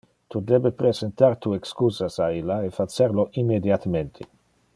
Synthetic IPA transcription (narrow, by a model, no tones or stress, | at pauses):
t̪ud̪ebepɾezent̪aɾt̪uekskuːzasailːaefat͡seɾloʔimːed̪jat̪ament̪ʰe